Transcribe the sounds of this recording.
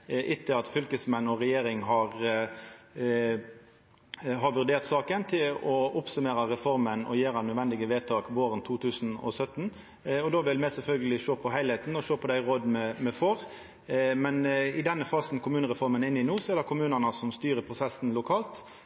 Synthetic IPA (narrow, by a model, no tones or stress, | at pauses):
ʔɪt̪ʰːəɑt̪fʏlkəsmɛnːɔɾɛjeːɾɪŋɦɑɾ | ɦɑɾʋʉʁd̪eːʁt̪sɑːkənt̪ʰɪlɔʊpsʉmeːɾɑɾɛfɔɾmənɔ̰jeːɾɑnœd̪ʋɛnd̪ɪɡəʋeːt̪ʰɑːkʋoːɾənt̪ʰuːt̪ʰʉːsnɔ̰sœt̪ːn | ɔd̪oːʋɪlmɛsɛlfœlɡəlɪʃoːpʰɔɦæɪlhɛt̪n̩ɔʃoːpʰɔd̪æɪɾoːd̪mɛmɛfɔɾ | mɛnɪd̪ɛnːəfɑːsnkʰʊmʉːnəɾɛfɔɾmənɪnːɪnuːsɔɛːd̪ɑkʊmʉːnɑnəsɔmst̪yːɾəpʰʁʊsɛsn̩lʊkʰɑːlt̪